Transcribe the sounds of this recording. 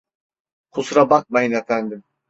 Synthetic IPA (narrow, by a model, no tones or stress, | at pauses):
kʰusɾabak̚majɯnefænd̪im